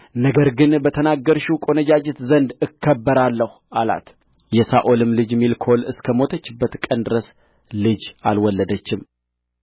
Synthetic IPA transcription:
nəɡəɾɡɨnbət̪ʰənaɡːəɾʃukʼo̞nəd͡ʒad͡ʒɛt̪zənd̪ɨkʰːəbːəɾalːəhuala̰t̪ | jɛsaʔolɨmlɨd͡ʒmilkʰolɨskʰəmo̞t̪ʰət͡ʃːɪbːət̪kʼənd̪ɨɾəs | lɨd͡ʒalwɔlːəd̪ət͡ʃːɪm

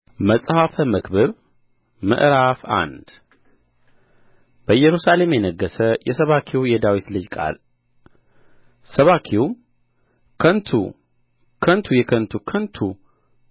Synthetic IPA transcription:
məsʼhafəməkbɨβ | mɨ̰ʔɾafa̰nd̪ | b̥əjɛɾusale̞mjɛnəɡːəsəjɛsəβakʰiwjɛd̪awit̪lɨd͡ʒkʼa̰l | səβakʰiw | kʰənt̪ʰṵ | kʰənt̪ʰujɛkʰənt̪ʰukʰənt̪ʰu

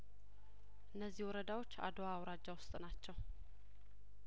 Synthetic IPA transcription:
ʔɨnːəzːihwɔɾəd̪awo̞t͡ʃːa̰d̪oaːwɾad͡ʒːawʊst̪ʼnat͡ʃːɛw

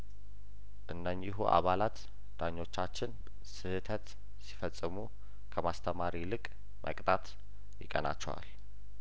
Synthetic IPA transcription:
ʔɨnːəɲːɪɦuʔa̰βalat̪ | d̪̥aɲːo̞t͡ʃːat͡ʃːɪn | sɨhɨt̪ʰət̪ | si̥fəsʼːɨmu | kʰəmast̪ʰəmaɾilɨkʼ | mʔə̰kʼt̪ʼat̪ | jɪkʼəna̰t͡ʃːɛwa̰l

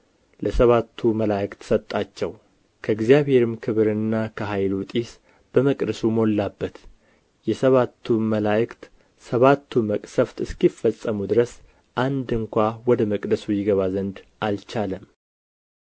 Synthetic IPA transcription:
ləsəβat̪ʰːuməlajəkt̪ʰsət̪ʼːat͡ʃːɛw | kʰəɨɡzijaβhe̞ɾɨmkʰɨβɨɾɨnːakʰəɦajlut̪ʼis | b̥əməkʼd̪əsumo̞lːabːət̪ | jɛsəβat̪ʰːuməlajkt̪ | səβat̪ʰːuməkʼsəft̪ɨskifəsʼːəmud̪ɨɾəs | ʔand̪ɨŋkʷawɔd̪əməkʼd̪əsujɪɡəβazənd̪alt͡ʃaləm

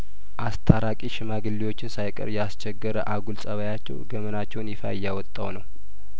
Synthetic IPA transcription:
ʔast̪ʰaɾakʼiʃɪmaɡɨlːiwo̞t͡ʃːɪnsajkʼə̰ɾjɛast͡ʃʰɛɡəɾəʔaɡulsʼəβajat͡ʃːɛ̰wɡəmənat͡ʃːɛwnjɪfa̰ɪjːawɔt̪ʼːawnəw

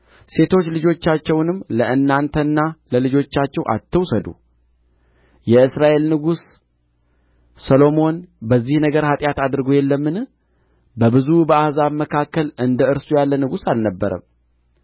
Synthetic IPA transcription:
se̞t̪ʰo̞t͡ʃːlɨd͡ʒo̞t͡ʃːat͡ʃːɛwnɨmləʔɨnːant̪ʰənːaləlɨd͡ʒo̞t͡ʃːat͡ʃːɛwʔa̰t̪ʰːəwsəd̪ṵ | jɛɨsɾaʔe̞lnɨɡus | əlo̞mo̞nbəzːihnəɡəɾhat̪ʼjat̪ad̪ɨɾɨɡojɛlːəmːɨn | bəbɨzubəahzaβməkʰakːəlɨnd̪əɨɾsujalːənɨɡusalnəbːəɾə̰m

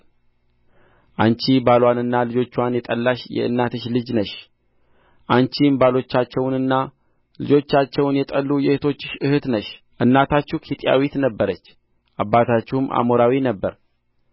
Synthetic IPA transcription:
ʔant͡ʃibalwanɨnːalɨd͡ʒo̞t͡ʃːwanjɛt̪ʼəlːaʃjɛ̰ʔɨ̰nːat̪ɨʃlɨd͡ʒnəʃ | ʔant͡ʃimbalo̞t͡ʃːat͡ʃːɛwnɨnːa | lɨd͡ʒo̞t͡ʃːat͡ʃːɛwnjɛt̪ʼəlːujɛhɨt̪ʰo̞t͡ʃːɪ̥ʃɨhɨt̪nəʃ | ʔɨnːat̪ʰat͡ʃːukʰit̪ʼija̰wit̪nəbːəɾət͡ʃː | ʔabːat̪ʰat͡ʃːumʔa̰moɾawinəbːəɾ

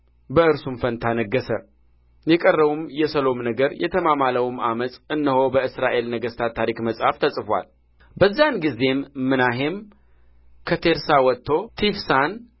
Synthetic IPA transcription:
bəɨɾsumfənt̪ʰanəɡːəsə | jɛkʼərːəβumjɛsəlo̞mnəɡəɾjɛ̰t̪ʰəmamaləwumamət̪ʼɨnːəho̞bəɨsɾaʔe̞lnəɡəst̪ʰat̪ʰːaɾikməsʼhaft̪ʰəsʼfwa̰l | bəzːanɡize̞mːɨnaɦe̞m | kʰət̪ʰe̞ɾsawɔt̪ʰːo̞t̪ʰifsan

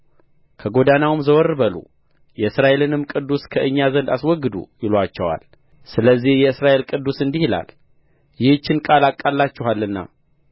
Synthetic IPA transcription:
kʰəɡo̞d̪anawɨmzəwɔɾːɨβəlṵ | jɛɨsɾaʔe̞lɨnɨmkʼɨd̪ːuskʰəʔɨɲːazənd̪aswɔɡːɨd̪ṵjɪlwat͡ʃːɛwa̰l | sɨləzːihjɛɨsɾaʔe̞lkʼɨd̪ːusɨnd̪ihila̰l | jɪht͡ʃːɪnkʼalakʼːalːat͡ʃːɛɦalːɨnːa̰

